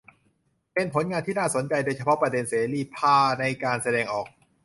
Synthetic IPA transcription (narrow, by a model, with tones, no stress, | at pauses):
pe˧npʰo˩˦nŋaː˧nt̪ʰiː˥˩naː˥˩so˩˦nt͡ɕa˧jdoː˧jt͡ɕʰa˧pʰɔ˦˥pɾa˧de˧nseː˧ɾiː˥˩pʰaː˧na˧jkaː˧nsa˧dɛː˧ŋʔɔː˨˩k̚